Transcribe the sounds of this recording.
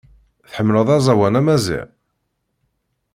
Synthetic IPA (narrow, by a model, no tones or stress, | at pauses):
θħəmːləðˤæzˤæwænæmæzḭʕ